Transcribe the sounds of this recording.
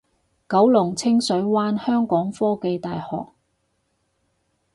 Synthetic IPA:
kɐ˨˥wlʊ˨˩ŋt͡sʰɪ˥ŋsɵ˨˥ɥwaː˥nhœː˥ŋkɔː˨˥ŋfɔː˥ke˧jt̪aː˨jhɔ̰ː˨k̚

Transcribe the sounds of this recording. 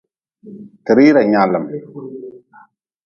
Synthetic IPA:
tɨ˨ɾi˦ɾa˨ɲa˨lə˨m

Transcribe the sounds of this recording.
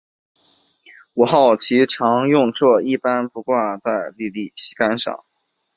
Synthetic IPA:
uɔ˨˩xɑ˥˩ʊt͡ɕʰi˧˥ʈ͡ʂʰɑ˧˥ŋjʊ˥˧ŋt͡swɔ˥˧˩i˥˩pa˥npu˧˥kwa˥˧t͡sa˥˧ɪli˥˧li˥˩t͡ɕʰi̥˧˥ka˥nʂɑ̰˥˩˦ŋ

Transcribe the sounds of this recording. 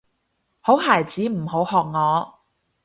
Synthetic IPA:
ho˨˥wɦaː˨˩jt͡siː˨˥m̩˨˩ho˨˥whɔː˧k̚ŋɔː˨˧

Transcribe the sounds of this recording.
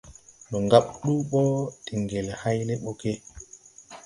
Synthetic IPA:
ɗɔ˨ŋɡaɓɗu˦ɓɔ˦ɗi˨ŋɡɛ˨lha˦jlɛ˦ɓɔ˨kɛ˦

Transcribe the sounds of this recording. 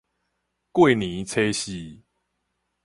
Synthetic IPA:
kwe˥˨ɪnĩ˨˦t͡sʰe˦ɕi˦

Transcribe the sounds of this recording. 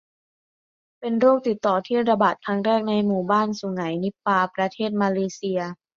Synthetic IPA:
pe˧nɾoː˥˩k̚t̪i˨˩t̪ːɔː˨˩t̪ʰiː˥˩ɾa˧baː˨˩t̪̚kʰɾa˦˥ŋɾɛː˥˩k̚na˧jmuː˨˩baː˥˩nsu˨˩˦ŋa˩˦jni˦˥pːaː˧pɾa˧t̪ʰeː˥˩t̪̚maː˧leː˧˦si˧ɐ

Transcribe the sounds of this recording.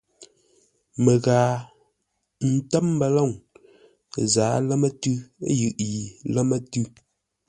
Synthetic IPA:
mə˨ɣaː˨ | n̩˨tɛ˦m˦bə˨lɔ˦˨ŋ | zaː˨˦lə˦mə˦tʉ˦jʉ˨ʔji˨lə˦mə˦tʉ˦

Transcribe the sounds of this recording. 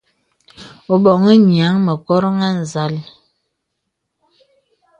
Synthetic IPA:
o˨bɔ˨ŋi˦ɲi˨a˨˦ŋmə˨kɔ˦ɾɔ˦ŋa˦n̩˨za˨˦l

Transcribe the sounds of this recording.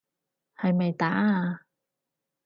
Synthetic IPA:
hɐ˨jmɐ˨jt̪aː˨˥˧

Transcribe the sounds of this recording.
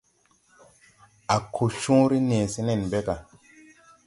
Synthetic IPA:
a˨kʰo˨ʃũ˦ɾi˦ne˨se˦ne˦˨n˨be˦ka˨

